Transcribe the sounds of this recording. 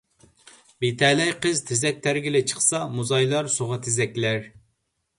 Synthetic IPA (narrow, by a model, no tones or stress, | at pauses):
bet̪ʰɛlɛjqəzt̪ʰezɛk̚ʲt̪ʰæɾɡʲilɪt͡ʃʰə̥χsɑmuzɑjlˠɑɾsoʁɑt̪ʰɪzɛkʲlæɾ